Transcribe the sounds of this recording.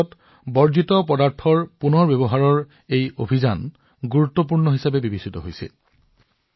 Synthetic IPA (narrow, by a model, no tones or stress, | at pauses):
ɔt | bɔɹzitɔpɔdaɹtʰɔɹpunɔɹbebɔɦaɹɔɹ | ejobʱizan | ɡuɹutːɔp̬uɹnɔɦisabɛbibisitɔɦojsḭl